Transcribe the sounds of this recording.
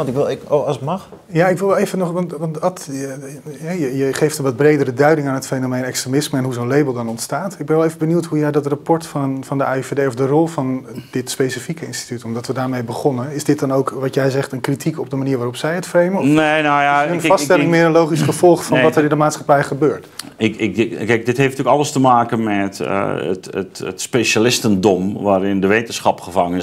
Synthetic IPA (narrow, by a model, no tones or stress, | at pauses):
ɑntɪkʋɪlˠosətmɑχ | jaɪkʋɪlˠʋɛejvənɔχʋɑntʋɑntɑt | ɦɛjəjəχejftənʋɑd̚brejdərədœɥdɪŋaːnɦətfenomejnɛkstremɪsməɛnɦuzoːnlejbəlˠdɑnɔntstaːtɪɡ̚bɛnʋɛlˠejvəbənuwtɦujɛjdɑtrapɔɹtfɑnfɑndəʔaːifedejɔvdərɔlˠvɑndɪtspesifikəɪ̰nsti̥tytɔmdɑtʋədaːɹmejbəχɔnənɪzdɪt̚dɑnowkʋɑtjɛjzɛχtənkritʰikɔb̚dəmaniːɹʋaːrɔpsɛjətfrejmənɔfnenojaənfɑstɛlɪŋmɪːrənlowχisχəvɔlˠχfɑnʋɑtərɪndəmaːtsχapɛjχəbøːɹt | ɪkɪkɛk̚dɪthefntyəkɑlˠəstəmaːkənmɛtə̰tə̰tətspeʃalɪstəndɔmʋaːɾɪndəʋejtənsχɑpχəfaŋən